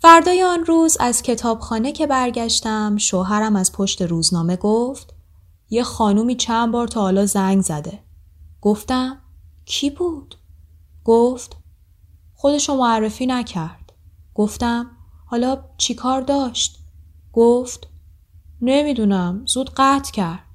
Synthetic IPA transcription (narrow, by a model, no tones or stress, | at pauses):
fæɾd̪ɒːjeɔnɾuːzæz̥cʰe̞t̪ʰɒːb̥xɒːnecʰe̞bæɾɟæʃt̪æmʃoɦæɾæmæz̥pʰoʃt̪e̞ɾuːznɒːme̞ɡoft̪ | je̞xɒːnuːmiːt͡ʃʰænbɒːɾt̪ʰɒːhːlɒːzæŋɡzæd̪e̞ | ɡ̥oft̪æmcʰibuːd̪̥ | ɡ̥oft̪ | xo̞d̪e̞ʃomoærːe̞fiːnæcʰæɾd̪̥ɡ̥oft̪æmhɒːlɒːt͡ʃʰikʰɒːɾd̪ɒːʃt̪ | ɡ̥oft̪ | ne̞mid̪unæmz̥uːd̪ɢæt̪ʰcʰæɾd̪̥̚